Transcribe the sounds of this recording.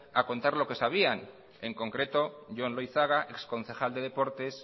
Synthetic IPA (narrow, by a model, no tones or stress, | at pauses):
ako̞nt̪aɾlo̞ke̞saβian | e̞ŋko̞ŋkɾe̞t̪o̞ʝo̞nlojθaɣaʔe̞ksko̞n̟θe̞xald̪e̞ð̞e̞po̞ɾt̪e̞s